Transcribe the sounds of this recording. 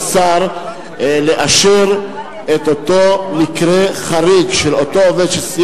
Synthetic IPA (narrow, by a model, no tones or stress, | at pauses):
saʁ | leʔaʃeʁ | et̪ot̪o̞mikʁeχaʁiɡʃelot̪o̞oved̪ʃesi